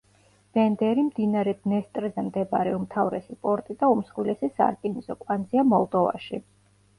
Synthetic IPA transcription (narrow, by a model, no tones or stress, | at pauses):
b̥ɛnd̪ɛɾimd̪inaɾɛd̪nɛst̪ʼɾɛzɛmd̪ɛbaɾɛumt̪ʰavɾɛ̰sipʼɔɾt̪ʼid̪aumsχwilɛsisa̰ɾk̪ʼinisɔkʼwand̪ziamɔlˠd̪ɔva̰ʃi